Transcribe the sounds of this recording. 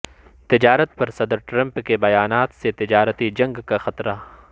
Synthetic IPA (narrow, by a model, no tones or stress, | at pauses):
t̪ɪd͡ʒaːɾət̪̚pɐɾsɐd̪ɾʈɾɐ̃mpkebɐjaːnaːt̪set̪ɪd͡ʒaːɾət̪id͡ʒɐ̃ŋɡkaxɐt̪ɾa